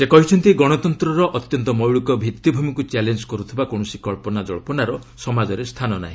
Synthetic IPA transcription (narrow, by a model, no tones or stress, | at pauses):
sekɔɦit͡ʃʰɔnt̪iɡɔɽ̃ɔt̪ɔnt̪ɾɔɾɔʔɔt̪jɔnt̪ɔmɔwɭikɔbʱit̪jɔbʱumikut͡ʃalend͡ʒkɔɾut̪ʰibakoɽ̃ɔsikɔɭpɔnad͡ʒɔɭɔpɔnaɾɔ | sɔmad͡ʒɔɾest̪ʰanɔna̰ɦĩ